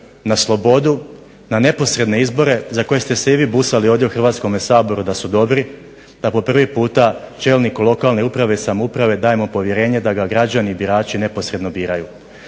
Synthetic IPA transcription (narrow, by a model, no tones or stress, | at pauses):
naslˠo̞bo̞d̪u | nane̞po̞sɾe̞d̪ne̞izbo̞ɾe̞zako̞je̞st̪e̞seiʋiːbusalio̞ʋd̪jeuxr̩ʋaːt̪sko̞mesaːbo̞ɾud̪asud̪o̞bɾi | d̪̥apo̞pr̩ʋipuːt̪at͡ʃe̞ːlˠnikulˠo̞kalˠne̞upɾaʋesamoupɾaʋe̞d̪aːjemo̞po̞ʋje̞ɾe̞ːɲe̞d̪aɡaɡɾad͡ʑaniːbiɾaːt͡ʃine̞po̞sɾe̞d̪no̞biːɾaju